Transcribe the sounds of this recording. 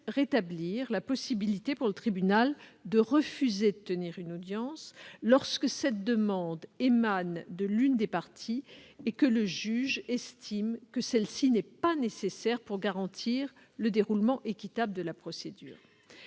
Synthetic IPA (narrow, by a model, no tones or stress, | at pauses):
ʁet̪abliʁlapɔsibilit̪epuʁlət̪χibynald̪əʁəfyzed̪ət̪əniʁynod̪jɑ̃sːɔʁskəsɛt̪̚d̪əmɑ̃d̪emand̪əlynd̪epaʁt̪ʰiekələʒyʒɛst̪ʰimkəsɛlsinɛpanesesɛʁpuʁɡaʁɑ̃t̪ʰiʁ | ləd̪eʁulmɑ̃ʔekʲit̪abləd̪əlapχɔsed̪y̰ːʁ